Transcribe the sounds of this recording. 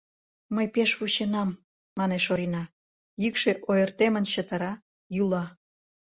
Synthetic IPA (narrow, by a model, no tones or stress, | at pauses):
məjpeʃβuɕenɑmː | ɑneʃoɾinɑ | jykʃeʔojərt̪emənɕət̪əɾɑ | julɑ